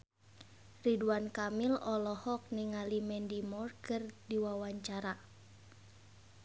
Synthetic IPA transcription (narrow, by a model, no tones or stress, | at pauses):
riduankamilɔlɔhɔk̚niŋalimɛndimɔrkɨrdiwawaɲt͡ʃaɾa